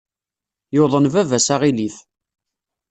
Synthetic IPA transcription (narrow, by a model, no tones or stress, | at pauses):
joðˤənvævæsaʁiliθ